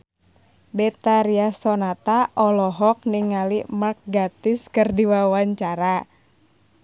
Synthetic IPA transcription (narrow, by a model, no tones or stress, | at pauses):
bɛt̪aɾiasɔnat̪aʔɔlɔɦɔk̚niŋalimark̚ɡat̪ɪskɨrdiwawaɲt͡ʃaɾa